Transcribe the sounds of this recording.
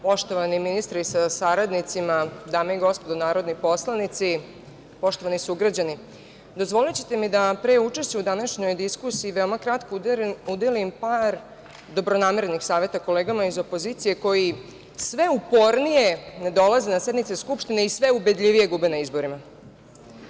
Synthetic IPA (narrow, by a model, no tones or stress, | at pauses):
po̞ʃt̪o̞ʋaniminist̪ɾiisasaɾad̪nit̪simad̪aːmeiɡo̞spod̪onaːɾo̞d̪nipo̞slˠanit̪si | po̞ʃt̪o̞ʋanisuɡɾad͡ʑani | d̪o̞zʋo̞lit͡ɕe̥t̪e̞mid̪apɾeut͡ʂe̞ʃt͡ɕeud̪anaʃɲo̞jd̪iskusiːʋeomakɾat̪koud̪elimpaɾ | d̪o̞bɾonaːmeɾe̞nixsaːʋe̞t̪ako̞leːɡamaizo̞po̞zit̪sije̞ko̞ji | sʋe̞upo̞ɾnije̞ned̪o̞lˠazenasjed̪nit̪seskupʃt̪ineisʋe̞ube̞d̪ʎʲiʋije̞ɡubenaizbo̞ɾima